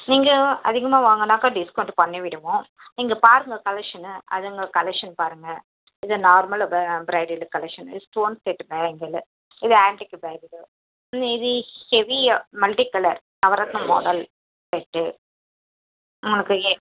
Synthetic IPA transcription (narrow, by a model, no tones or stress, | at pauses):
niːŋɡɐɐ̰ðɪɣɐmaːʋaːŋɡɐnːaːkaːɖɪskɐɳʈpɐɳːiʋɪɽɯʋõ | niːŋɡɐpaːɾɯŋɡɐkɐlɛkʂɐnɐ̰ðɯŋɡɐkɐlɛkʂɐnpaːɾɯŋɡɐ | ɪðɯnaːɾmɐlbbɾɐɪɖɪlɯkːɐlɛkʂɐnɪ̰sʈoːnsʈeːʈːbeːŋɡɐl | ɪðɯaːɳʈɪkːɯbeːɡɪlɯ | ɪðɯhɛʋimɐlʈikːɐlɐɾ | nɐʋɐɾɐt̪nɐmo̰ːɽɐl | peʈːɯ | ʊŋɡɐlɐkːɯe